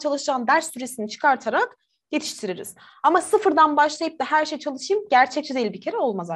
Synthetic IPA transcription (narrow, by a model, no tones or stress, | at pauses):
t͡ʃʰalˠɯʃd͡ʒaːnd̪æɾsːyɾe̞sinit͡ʃʰɯ̥kʰaɾt̪ʰaɾak | jet̪ʰi̥ʃt̪ʰiɾiɾḭz̥ | amasɯfɯɾd̪anbaʃlˠajɯp̚d̪ahɦæɾʃejt͡ʃʰalˠɯʃɯjɯmɟæɾt͡ʃʰɛc̚t͡ʃʰɛd̪ejiibicʰe̞ɾɛo̞lˠmaza